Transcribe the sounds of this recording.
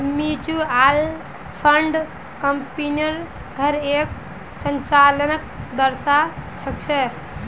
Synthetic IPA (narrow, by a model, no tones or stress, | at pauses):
mit͡ʃual | pʰəɳɖ | kəmpiniəɾ | ɦəɾek | sənt͡ʃalənəkd̪əɾsat͡ʃʰək̚t͡ʃʰɛ